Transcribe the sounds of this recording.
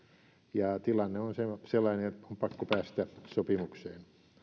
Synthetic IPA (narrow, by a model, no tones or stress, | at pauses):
jɑt̪ilɑnːeonseselːˑɑineompɑkːopæːst̪æsopimukseːn